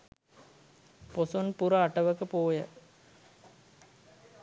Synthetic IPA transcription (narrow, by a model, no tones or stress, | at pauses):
posonpuɾɐaʈɐʋəkəpoːjə̰